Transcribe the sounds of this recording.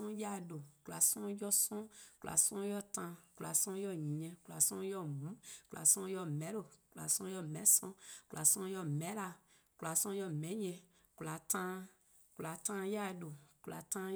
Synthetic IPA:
ɔ̃˦ja˦˨do˨ku˨a̰˨sɔ̃˦jɔ˦sɔ̃˦ku˨a̰˨sɔ̃˦jɔ˦tã˧ku˨la˨sɔ̃˦jɔ˦˨ɲĩ˨ɲɛ̃˨kula˨sɔ̃˦jɔ˦˨mũ˨˦ku˨la̰˨sɔ̃˦jɔ˦mɛ̃˨˦lo˦˨ku˨la̰˨sɔ̃˦jɔ˦mɛ̃˨˦sɔ̃˦ku˨lʔa˨sɔ̃˦jɔ˧mɛ̃˨˦la˧ | kula˨sɔ̃˦jɔ˦mɛ̃˨˦ɲɛ˧ | kla˨tã˦ | ku˨la˨tã˦ja˦˨do˨ku˨la̰˨tã˦

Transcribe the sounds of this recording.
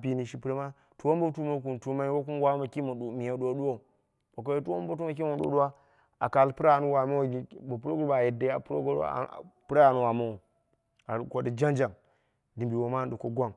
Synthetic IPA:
pi˨ni˨ʃi˨˦pɾe˦ma˦ | tu˨wo˦mbo˦tu˦ma˦k̬u˨ntu˦ma˦i˦wo˦ku˦n˦wa˦ma˨ki˦mo˨ɗu˨mi˨ja˨˦do˦ɗu˦wo˦˨ | bo˨k̬o˨je˦tu˦o˦m˦bo˦tu˦ma˨k̬i˦mo˨ɗo̰˨˦ɗu˦wa˦ | a˨ka˨lpu˦ɾa˦˨nu˦wa˨mo˦wɡi˨˦bo˨pu˦ɾo˦ɡu˦ɾa˨je˨da˨˦a̰˨pɾo˦ɡo̰˦˨pɾa˦˨nu˦wa˨ma˦wo˨ | a˨ko˨di˨d͡ʒa˦nd͡ʒa˨ŋ | di˨mbi˨wo˨ma˦n˦du˨ko˨ɡʷa˦˨ŋ

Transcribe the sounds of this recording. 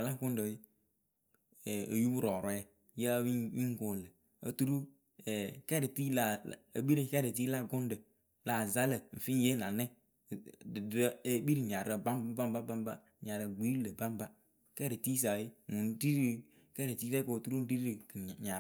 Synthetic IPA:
a˨la˦˨ɡʊ˦n˦də˨˦˨ | o̰˨ju˦bu˦ɾɔː˨ɾɔ˨˦ɛ˦ | je˦wi˦wi˦ŋ˦ko˨lə˨ | ə̰˨tu˦ɾu˦ | ɛ˨kɛ˦ɾə˨ti˦la˨ə̰˨bi˦ɾi˦kɛ˦ɾə˨ti˦la˦˨ɡʊ˦n˦də˨ | la˨za˦lə˨n̩˨fi˦je˦na˨nɛ˦˨ | də˦bi˦ɾi˨ɲa˨ɾə˨ba˦m˦ba˦m˦ba˦ba˦m˦ba˦˨ɲa˨ɾə˨ɡ͡bi˦lə˨ba˦m˦ba˦ | kɛ˦ɾə˨ti˦s̬a˨i˦mu˨n˦di˦ɾi˨ | kɛ˦ɾə˨ti˦ɾɛ˦ko˨tu˦ɾu˦di˦ɾi˨ɲa˨˦

